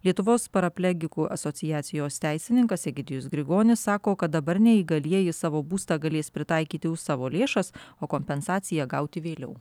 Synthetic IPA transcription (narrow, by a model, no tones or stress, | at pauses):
lʲiɛt̪ʊʋoːspɐɾɐpʲlʲɛɡʲɪkuːʔɐ̰soːt̪sʲɪjæːt̪sʲɪjoːst̪ʲæɪsʲɪnʲɪŋkɐsʲɛɡʲɪd̪ʲɪjʊsɡɾʲɪɡoːnʲɪsːɑːkoːkɐt̪̚d̪ɐbɐɾnʲɛiːɡɐlʲiɛjɪsɑːʋoːbuːst̪ɑːɡɐlʲeːspʲɾʲɪt̪ɑɪkʲiːt̪ʲɪʊɑːʋoːlʲeːʃɐsoːkoːmʲpʲɛnsɑːt̪sʲɪjɛɡɐʊt̪ʲɪʋʲeːlʲɛ̰ʊ